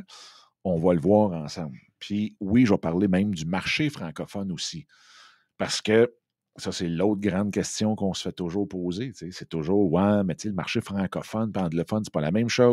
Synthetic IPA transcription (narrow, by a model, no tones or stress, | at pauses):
ɔ̃ːvʌləvwɑːʁɑ̃ːsɑ̃bl | pʰiwiʒvʌpaʁlemɛ̃ɪmd̪ymaʁʃefʁɑ̃kɔfɔnosi | paʁsə̥kʲə | sʌseloʊt̪̚ɡʁɑ̃d̪̚kʲɛst̪jɔ̃kɔ̃sə̥fɛt̪ʊʒuːʁpoːzet͡seset̪ʊʒʊːʁwɛ̃mɛt͡seləmaʁʃefʁɑ̃kɔfɔnpɑ̃ːɡləfɔnse̥pɔla̰mɛ̃mʃo